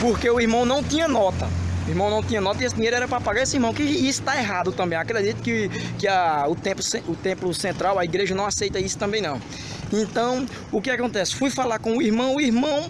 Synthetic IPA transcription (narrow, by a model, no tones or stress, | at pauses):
poɾkeʊiɾmɐ̃w̃nɐ̃w̃t̪ĩɲɐnɔt̪ɐʊihmɐ̃w̃nɐ̃w̃t̪ĩɲɐnɔt̪ɐiesɪd̪iɲejɾʊɛɾɐpɾɐpaɡaɾesɪihmɐ̃w̃kɪisʊ̥t̪aeɦad̪ʊt̪ɐ̃mbẽj̃akɾed̪it̪ʊ̥kɪkɪɐʊt̪ẽplʊseʊt̪ẽmplʊsẽnt̪ɾawɐiɡɾeʒɐnɐ̃w̃asejt̪ɐisʊ̥t̪ɐ̃bẽj̃nɐ̃w̃ | ẽt̪ɐ̃w̃ | ʊkɪakõnt̪ɛsɪ̥fujfalaɾkõʊihmɐ̃w̃ʊiɦmɐ̃w̃